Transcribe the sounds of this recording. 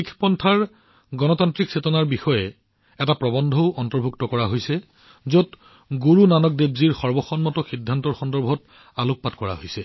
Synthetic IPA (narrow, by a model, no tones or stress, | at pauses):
ikʰpɔntʰaɹ | ɡɔnɔtantɹiksetɔnaɹbixɔjɛ | ɛtapɹɔbɔndʱɔʊʔɔntɔɹbʱuktɔkɔɹaɦojsɛ | zot | ɡuɹunanɔk̚debziɹxɔɹbɔxɔnmɔtɔxidʱːantɔɹxɔndɔɹbʱɔt | aluk̚patkɔɹa̰ɦojsɛ